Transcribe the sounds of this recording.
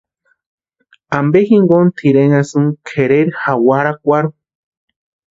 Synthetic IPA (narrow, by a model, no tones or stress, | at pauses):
ambexiŋɡont̪ʰiɾeŋasɨŋkʰeɾeɾxawaɾakʷaɾu